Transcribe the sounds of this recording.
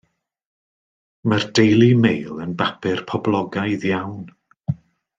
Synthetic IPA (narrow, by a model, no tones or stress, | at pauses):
mərdejlˠimejlˠənbapʰɪrpʰɔblˠɔɡajðjawn